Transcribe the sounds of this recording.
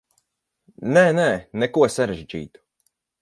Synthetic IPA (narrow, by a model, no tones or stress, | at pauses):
nɛːnɛːnɛkuɔsaɾaʒd͡ʒḭːt̪u̥